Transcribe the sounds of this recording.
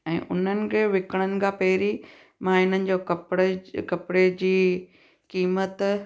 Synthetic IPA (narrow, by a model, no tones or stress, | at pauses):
ɛ̃ːʔʊ̰n̤ənɪ̆kʰeːʋɪkəɽ̃ənɪ̆kʰãːpɐɦɪɾi | maːɦɪnənɪ̆d͡ʑoːkɐpɽkɐpɪɽed͡ʑiː | kiːmət̪